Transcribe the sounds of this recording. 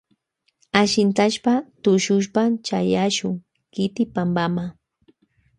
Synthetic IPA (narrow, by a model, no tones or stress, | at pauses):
aʃɪnt̪aʃpat̪ʊʃʊʃpat͡ʃajaʃʊŋ | kɪt̪ɪpambama